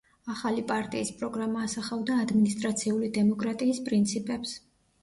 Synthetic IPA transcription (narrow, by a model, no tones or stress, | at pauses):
aχalipʼaɾt̪ʼiːspʼɾɔɡɾamaːsaχavd̪aːd̪minist̪ʼɾat̪sʰiulid̪ɛmɔkʼɾat̪ʼiːspʼɾint̪sʰipʼɛps